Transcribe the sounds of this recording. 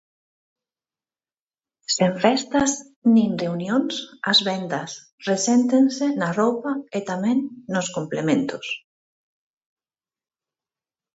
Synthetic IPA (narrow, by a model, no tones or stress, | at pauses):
seɱfɛst̪ɐs | nĩŋreunjõŋsɐzβɛnd̪ɐs | resɛnt̪ensenarowpɐet̪amɛ̃ŋnʊskomplemẽnt̪ʊs